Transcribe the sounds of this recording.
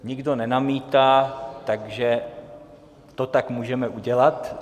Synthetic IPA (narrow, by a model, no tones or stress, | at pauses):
ɲɪɡdo̞nɛnamiːt̪aːt̪aɡʒɛ | t̪ot̪akmuːʒɛmɛʔuɟɛlat̪